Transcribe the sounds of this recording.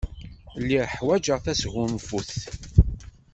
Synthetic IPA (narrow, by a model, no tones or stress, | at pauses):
lːiʁħwæd͡ʒəʁθæsɣʊmfuθ